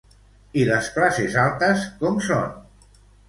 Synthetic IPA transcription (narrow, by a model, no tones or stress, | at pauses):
iləsklasezalˠt̪əskɔmso̰n